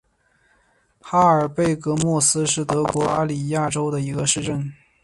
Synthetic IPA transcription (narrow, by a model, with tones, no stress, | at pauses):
xa˥ə˞˨˩pe˥˩ɪkɤ˧˥mwɔ˥˩sɹ̩˥ʂɻ̩˥˩t̪ɤ˧˥kwɔ˧˥a̰˥li˨˩ja˥˩ʈ͡ʂo˥ʊd̪ə˨i˧˥ɡə˧ʂɻ̩˥˧ʈ͡ʂə˥˩n